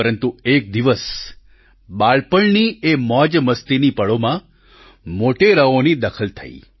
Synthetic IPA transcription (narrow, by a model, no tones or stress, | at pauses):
əɾənt̪uek̚d̪iʋəs | ɓaɭpəɭniemɔd͡ʒməst̪inipəɭomã | moʈeɾəonid̪əkʰəlt̪ʰə̰ḭ